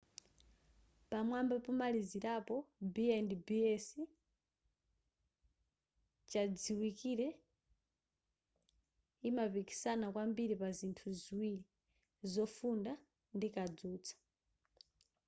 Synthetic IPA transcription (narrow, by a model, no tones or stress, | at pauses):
pamwambapɔmaliziɾapɔbiɛndibiɛsi | t͡ʃad͡ziwikiɾɛ | imapiki̥sanakwambiɾipazintʰuziwiɾi | zɔfunda | ndikad͡zuːt͡sʰḁ